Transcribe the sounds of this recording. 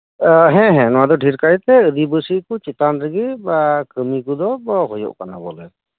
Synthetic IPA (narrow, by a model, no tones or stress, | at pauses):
ɦɛ̃ɦɛ̃nɔwad̪ɔɖʱiɾkajt̪ɛɯdibɯsikut͡ʃit̪anɾəɡibakɯmikud̪ɔbɔɦɔjɔ̰ʔkana̰bɔlɛ